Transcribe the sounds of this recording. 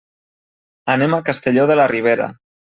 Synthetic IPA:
anemakast̪eʎoðelariβ̞eɾa̰

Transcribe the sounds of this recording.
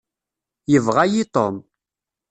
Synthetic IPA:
jəvʁajit̪o̰m

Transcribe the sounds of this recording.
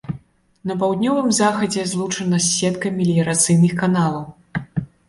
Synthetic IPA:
nɐpawd̪ʲnʲɔvɨmzaxɐd͡zʲɛzlˠut͡ʂɐnɐsʲːɛt̪kɐmʲilʲjɐɾat̪sɨjnɨxkanalˠɐw

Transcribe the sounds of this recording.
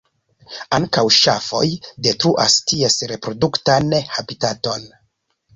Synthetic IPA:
aŋkawʃafo̞̰jde̞tɾuʔa̰stie̞sɾe̞pɾo̞duktanhabitato̞n

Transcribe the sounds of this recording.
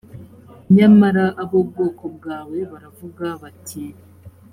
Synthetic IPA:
ɲamaɾaʔaβobɡo̞ːko̞b̚ɡaːwe̞βaɾavuɡaβatʰi

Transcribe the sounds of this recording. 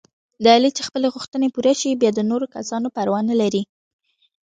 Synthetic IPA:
d̪əalit͡ʃexpəleɣʊxt̪ənepuɾaʃibjɑd̪ənoɾokasɑnopaɾwɑnlaɾi

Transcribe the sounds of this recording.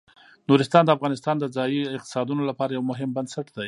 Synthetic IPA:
nuɾɪst̪ɑnd̪əafɣɑnɪst̪ɑnd̪əd͡zɑjiɪq̚t̪ɪ̥sɑd̪unolapɑɾajawmʊɦɪmbansaʈd̪aj

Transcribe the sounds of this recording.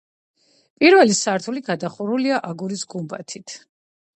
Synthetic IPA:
pʼiɾvɛlisaɾt̪ʰuliɡad̪aχuɾuliaʔaɡuɾisɡumba̰t̪ʰit̪ʰ

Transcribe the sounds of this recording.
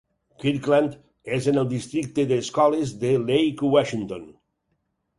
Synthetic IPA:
kiɾkland̪ | ezənəlˠd̪ist̪ɾik̚t̪əðəːskɔlezðəlejkwaʃint̪on

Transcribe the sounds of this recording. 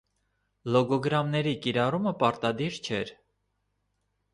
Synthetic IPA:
lɔɡɔɡɾɑmnɛɾikiɾɑruməpɑɾt̪ɑd̪iɾt͡ʃʰɛɾ

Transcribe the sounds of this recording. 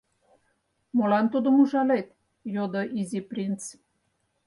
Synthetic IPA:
molɑnt̪ud̪ə̆muʒɑlet̪ | jod̪oʔizʲiprʲint͡s

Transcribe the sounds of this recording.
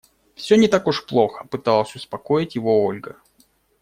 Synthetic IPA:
fsʲɵnʲɪt̪akʊʂplˠo̞xə̥pɨt̪ɑlˠəsʲʊspɐkojɪtʲjɪvo̞olʲɡə

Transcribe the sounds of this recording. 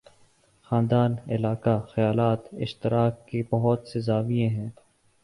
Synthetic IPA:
xãːnd̪aːnɪ̰laːkaxɐjaːlaːt̪ɪ̰ʃt̪ɪɾaːkːebɐɦʊt̪sezaːʋijẽɦɛ̃ː

